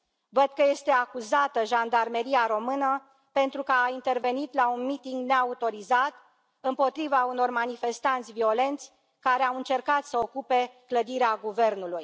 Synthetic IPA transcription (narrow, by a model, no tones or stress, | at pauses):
vəd̪̚kəje̞st̪e̞akuzat̪əʒand̪arme̞ɾiaɾo̞mɨnə | pe̞nt̪ɾukəaint̪e̞rve̞nit̪launmit̪iŋɡne̞aut̪o̞ɾizat̪ | ɨmpo̞t̪ɾivauno̞rmanife̞st̪ant̪sʲvio̞le̞nt̪sʲ | kaɾeawɨnt͡ʃe̞rkat̪səo̞kupe̞kləd̪iɾeaɡuve̞rnuluj